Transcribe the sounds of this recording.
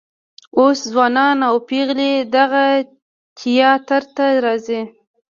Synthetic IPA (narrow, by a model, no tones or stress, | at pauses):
oszwɑnɑnawpeɣled̪aɣa | t̪ʰijɑt̪aɾt̪aɾɑzi